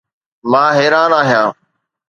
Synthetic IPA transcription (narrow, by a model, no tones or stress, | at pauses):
mãːɦeːɾaːnaːɦɪjãː